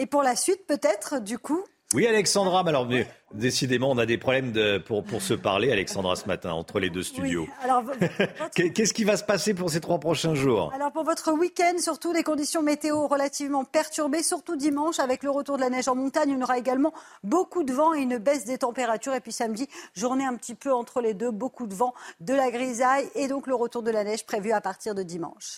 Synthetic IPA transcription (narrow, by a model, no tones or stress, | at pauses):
epuʁlasɥit̪̚pøt̪ɛt̪χd̪yku | wialɛksɑ̃d̪ʁamalɔʁmɛd̪esid̪emɑ̃ɔ̃nad̪epχɔblɛmd̪əpuʁpuʁsəpa̰ʁlealɛksɑ̃d̪ʁa̰səma̰t̪ɛ̰̃ɑ̰̃t̪χəled̪øst̪yw̪jo̰alɔʁvvɔkɛkʲɛskʲivasə̥pasepuʁset̪χwapχɔʃɛ̃ʒuːʁalɔʁpuʁvɔt̪χəwikʲɛnd̪syʁt̪ud̪ekɔ̃d̪isjɔ̃met̪eoʁəlat̪ivmɑ̃pɛʁt̪yʁbesyʁt̪ud̪imɑ̃ʃavɛkləʁət̪uʁd̪əlanɛʒɑ̃mɔ̃t̪aɲɔ̃noʁaeɡalmɑ̃bokud̪əvɑ̃eynbɛsd̪ət̪ɑ̃peʁat̪yʁepɥisamd̪iʒuʁneɛ̃pət̪ipøɑ̃t̪χəled̪øbokud̪əvɑ̃d̪əlaɡʁizajed̪ɔ̃kləʁət̪uʁd̪əlanɛʒpχevyapaʁt̪iʁd̪əd̪imɑ̰̃ʃ